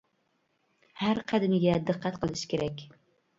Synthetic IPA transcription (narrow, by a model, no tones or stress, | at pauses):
haɾqʰɑd̪ɪmɪɡʲad̪ɨqʰːɑt̪qʰɨlˠɪʃkʲʰeɾakʲ